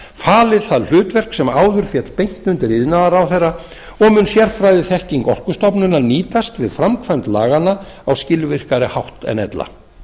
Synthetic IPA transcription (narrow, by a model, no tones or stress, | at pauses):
faːlɪðθaðl̥ʏːt̪vɛr̥ksɛmaːwðʏɾ̥fjɛt̪lpejŋ̥t̪nʏnt̪ɪɾiðɪnaðaɾawθejrːa | ɔɣmʏnsjɛɾ̥fɾajðɪθɛhciŋkɔr̥kʏst̪ɔpnʏnaniːt̪ast̪vɪðfɾamkʰvajmt̪laːɣana | awscɪlvɪr̥kaɾɪhawht̪ɛ̰nɛ̰t̪la̰